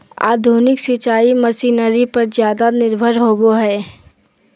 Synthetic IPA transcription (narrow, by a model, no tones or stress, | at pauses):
a̰ːd̪ʱunɪksɪt͡ʃaːiməsiːnəɾipəɾzjaːd̪anɪɾbʱəɾɦoːboɦɛː